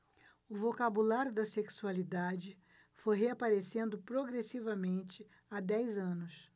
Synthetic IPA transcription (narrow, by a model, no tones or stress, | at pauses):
ʊvokabulaɾʲjʊd̪ɐseksualid̪ad͡ʒɪ | fojɦeapaɾesẽnd̪ʊpɾoɡɾesivɐmẽnt͡ʃɪ | ad̪ɛjzɐ̃nʊs